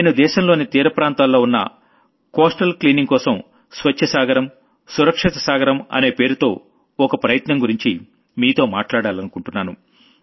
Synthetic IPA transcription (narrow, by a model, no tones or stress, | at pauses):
neːnud̪ɛːʃɐmlo̞ːnit̪iːɾɐpɾaːnt̪aːlːo̞ːunːɐ̰ | kɔːsʈɐlkliːniŋɡkɔːsɐm | sʋɐt͡ʃʰːɐsaːɡɐɾɐm | suɾɐkʂɐt̪ɐsaːɡɐɾɐmɐ̰ne̞ːpe̞ːɾut̪o̞ː | ɔkɐpɾɐjɐt̪nɐmɡuɾiɲt͡ʃi | miːt̪o̞ːma̰ːʈlaːɽaːlɐnukuɳʈunːaːnṵ